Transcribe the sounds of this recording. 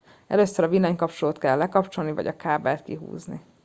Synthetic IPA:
ɛ̰løːsːøɾɒvinɛɲkɒpt͡ʃoloːt̪kɛlːɛkɒpt͡ʃo̞lnivɒ̰ɟɒ̰kaːbɛlt̪kḭɦṵːznḭ

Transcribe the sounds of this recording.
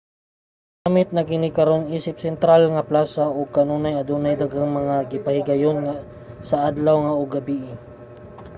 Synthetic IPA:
ɡamɪt̪̚nɐkɪnɪkɐɾoniːsɪp̚sɛnt̪ɾalŋɐplaːsaʔoɡ̚kɐnuːnajɐd̪uːnajd̪aɡaŋmɐŋaɡɪpɐhɪɡɐjonŋa | sɐʔad̪lawŋɐʊɡabiːʔɪ

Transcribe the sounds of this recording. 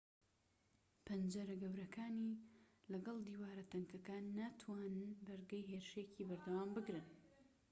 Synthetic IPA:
pʰɐnd͡ʒɐɾɐɡɐwɾɐkʰaːnilɐɡɐlˠd̪iːwaːɾɐt̪ɐŋkɐkaːnːaːt̪ʰwaːnɨnbɐɾɡɐjɦeːɾɨʃecibɐɾd̪ɐwaːmbɨɡɾɨn

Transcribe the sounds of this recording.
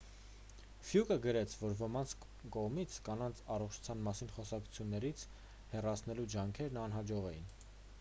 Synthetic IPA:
fjukəɡəɾɛt͡sʰvɔɾvəmɑnt͡sʰ | kɔʁmit͡sʰkɑnɑnt͡sʰɑrɔχt͡ʃʰu̥t͡sʰjɑnmɑsinχɔsɑkʰu̥t͡sʰjunːɛɾit͡sʰ | hɛrɑt͡sʰn̪ɛlud͡ʒɑŋkʰɛɾnɑnɦɑd͡ʒɔʁɛjin

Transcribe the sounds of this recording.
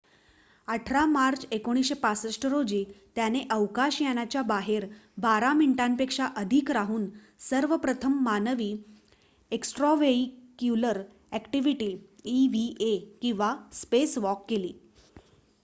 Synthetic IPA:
əʈʰɾamaɾt͡sekoɽ̃isɕepasəsʈəɾod͡ʑiːt̪janeʔəʋkaɕjanat͡ɕjabaɦeɾbaɾamiɳʈanpekʂaʔəd̪ʱikɾaɦuːn | səɾʋəpɾət̪ʰəmːanəʋiː | eksʈɾɔʋeikjuləɾ | ɛkʈiʋiʈiːiʋiʔekĩw̃ʋaspesʋɔkːelḭː

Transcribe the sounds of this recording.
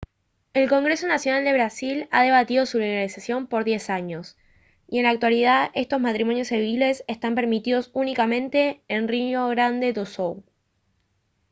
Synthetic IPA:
e̞lko̞ŋɡɾe̞so̞nasjo̞nald̪e̞β̞ɾasilaðe̞β̞at̪iðo̞suleɣalisasjo̞mpo̞ɾðje̞saɲo̞s | ie̞nlak̚t̪walið̞aðe̞st̪o̞zmat̪ɾimo̞njo̞seβile̞sest̪ampe̞ɾmit̪iðo̞sunikamẽ̞nt̪e̞ːnrinoɣɾand̪e̞d̪osow

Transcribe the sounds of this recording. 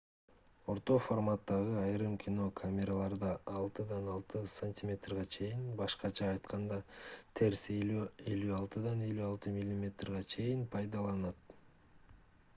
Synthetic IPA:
o̞ɾt̪o̞format̪ːɑʁɯɑjɾɯmkʲino̞kʰamʲe̞ɾalˠɑɾd̪ɑɑlˠt̪ɯd̪ɑnɑlˠt̪ɯsanʲtʲimʲe̞t̪rʁɑt͡ʃʰe̞jinbɑʃqɑt͡ʃʰɑːjt̪qɑnd̪ɑt̪ʰe̞ɾse̞lyɑlˠt̪ɯd̪ɑne̞lyɑlˠt̪ɯmʲilʲːimʲe̞t̪rʁɑt͡ʃʰe̞jinpʰɑjd̪ɑlˠɑnɑt̪

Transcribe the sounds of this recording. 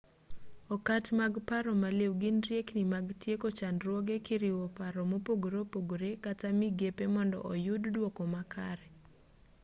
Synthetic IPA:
ɔkatmaɡpaɾɔmalewɡɪnɾjeknɪmaɡtjekot͡ʃanɾwɔɡekɪɾɪwɔpaɾɔmopoɡoɾopoɡoɾekatamiɡepemɔndɔ̰ʔɔjʊddwɔkɔmakʰa̰ɾɛ

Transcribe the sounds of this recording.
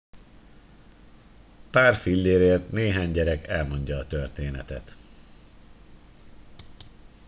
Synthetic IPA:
paːrfilːeːɾeːrt̪neːɦaːɲɟɛɾɛkɛlmo̞ɲɟɒːt̪ørt̪eːnɛ̰t̪ɛ̰t̪

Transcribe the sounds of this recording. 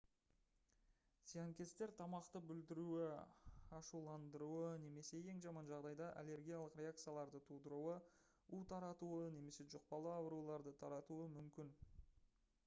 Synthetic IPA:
sijaŋkʲe̞st̪e̞ɾt̪ʰɑmɑqt̪əbʏld̪ɪɾuɪɑʃulˠɑnd̪əɾuəne̞me̞se̞je̞ŋʒɑmɑnʒɑʁd̪ɑjd̪ɑʔa̰le̞ɾɡʲijalˠəqɾʲe̞ak̚t̪sɨjalˠɑɾd̪ət̪ʰud̪əɾuə | ut̪ʰɑɾɑt̪uəne̞me̞se̞ʒʊq̚pɑlˠəɑwɾulˠɑɾd̪ət̪ʰɑɾɑt̪uəmʏmkʲɪn

